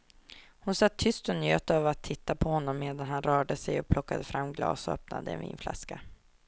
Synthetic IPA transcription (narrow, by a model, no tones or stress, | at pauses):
hʊnsat̪ʰːʏst̪ɔnjøːt̪ɑvɾat̪ʰːɪt̪ːapʰɔhɔnːɔmːeːd̪anɦanɾœːɖəsɛjɔk̚pʰlɔkːad̪əfɾamːɡlɑ̰ːsɔœ̰pna̰d̪əɛ̰nvḭːnfla̰ska